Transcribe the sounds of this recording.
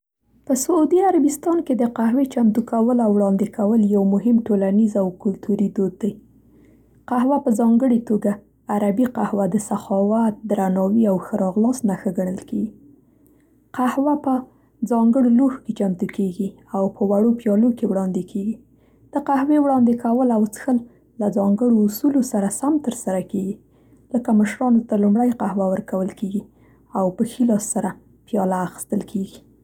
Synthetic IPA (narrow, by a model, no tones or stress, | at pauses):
pəsʊud̪iaɾabɪst̪ɑnked̪əqahwet͡ʃamt̪ukawəlawɽɑnd̪ɪkʰawəljawmʊɦɪmʈolanizawkʊlt̪ʰuɾid̪od̪̚ːaj | qahwapəzɑŋɡəɽet̪oɡaː | ɾabiqahwad̪əsaxɑwat̪̚d̪ɾanɑwiawxəɾɑɣlɑsnaxəɡaɳəlkeɡi | qahwapə | d͡zɑŋɡəɽolohket͡ʃamt̪ukeɡi | awpəwaɽopjɑlokewɽɑnd̪ɪkʰeɡi | d̪̥əqahwewɽɑnd̪ekawəlawt͡sə̥xəlː | ad͡zɑŋɡəɽoːsulosaɾasamt̪əɾsaɾakeɡi | ləkaməʃɾɑnot̪alumɽajqahwawəɾkawəlkeɡi | awpəxilɑsːaɾa | pjɑlaːxə̥st̪əlkʰeɡi